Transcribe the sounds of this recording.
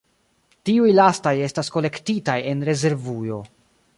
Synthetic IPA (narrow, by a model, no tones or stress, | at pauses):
tiujlastaje̞stasko̞le̞ktitaje̞nɾe̞ze̞ɾvujo̞